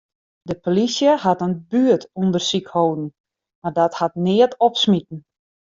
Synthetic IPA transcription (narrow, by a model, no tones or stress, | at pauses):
dəpolisjəhatənbyətundərsikhowdn̩ | mardɔthat̚nɪətɔpsmitn̩